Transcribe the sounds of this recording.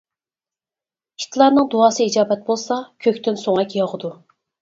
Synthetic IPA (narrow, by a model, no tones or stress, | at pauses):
i̥t̪ʰlˠɑɾnɨŋd̪oɑːsɨid͡ʒɑːbɛt̪̚bolˠsɑkʲʰøkʲt̪ynsoŋɛkʲjɑʁəd̪u